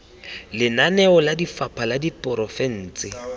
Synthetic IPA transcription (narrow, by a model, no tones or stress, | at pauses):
lɪnanɛɔladifapʰaladipʼʊɾɔfɛn̩ːt͡sʼɪ